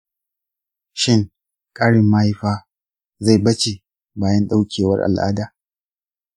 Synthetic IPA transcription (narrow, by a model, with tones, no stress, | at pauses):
ʃɪ˦˨ŋ | kʼaː˦ɽɪ˨mːaː˦ha˦ɸaː˦ | za˦˨jbɐ˦t͡ʃe˨ | baː˨jɐ˦nɗa˦wkʲeː˨wɐ̰˦rʔa̰˨lʔa̰ː˦daː˨